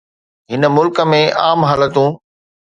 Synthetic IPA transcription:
ɦɪnəmʊlkə̆mẽʔa̰ːmɦaːlət̪ũ

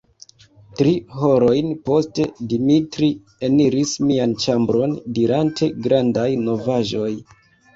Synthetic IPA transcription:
tɾiho̞ɾo̞jnpo̞ste̞dimitɾi | e̞niɾismiant͡ʃambɾo̞ndiɾantʰe̞ɡɾandajno̞vaʒo̞j

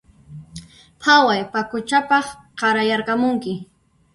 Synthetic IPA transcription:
pʰawajpakʊt͡ʃapɑχ | qɑɾajaɾqɑmʊŋkɪ

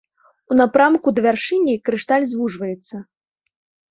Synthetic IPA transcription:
unapɾamkud̪ɐvʲarʂɨnʲːikɾɨʂt̪alʲzvuʐvɐjɛt̪sːɐ

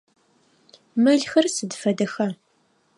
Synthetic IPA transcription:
mɨɮxɐrsɨdfɐdɐxɐ

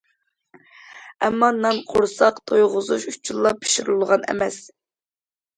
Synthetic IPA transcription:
ɛmːɑnɑnqʰoɾsɑqt̪ʰojʁʊzuʃut͡ʃʰːulˠːɑpʰi̥ʃiɾulˠʁɑnɛ̰mɛs

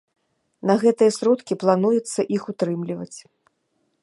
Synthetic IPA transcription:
nɐɣɛt̪ɨjɐsɾɔt̪kʲiplˠan̪ujɛt̪sːɐʔixut̪ɾɨmlʲivɐt͡sʲ

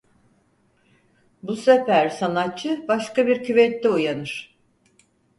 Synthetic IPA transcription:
busefæɾsanat̚t͡ʃʰɯbaʃkabiɾcʰyvɛt̪ːɛujanɯɾ̥

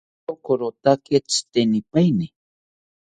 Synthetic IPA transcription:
okoɾot̪aket͡st̪enipajni

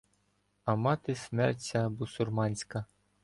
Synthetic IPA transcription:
ɐmɑt̪ɪsmɛrtʲɐbusʊrmɑnʲsʲkɐ

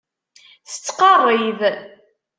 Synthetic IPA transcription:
θə̥t͡sːqɑrˤːið

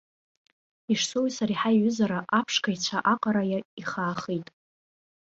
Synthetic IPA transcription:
iʂsowisaɾiħaiɥʏzaɾaʔapʰʂkʰait͡ɕʷʰaʔaqʼaɾajaiχaːχijtʼ

